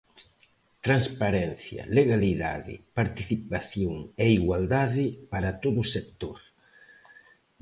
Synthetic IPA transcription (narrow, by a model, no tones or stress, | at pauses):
t̪ɾanspaɾɛn̟θjɐ̰leɣaliða̰ðɪ̰paɾt̪iθipaθjoŋeiɣwald̪aðɪpaɾat̪oðʊsek̚t̪oɾ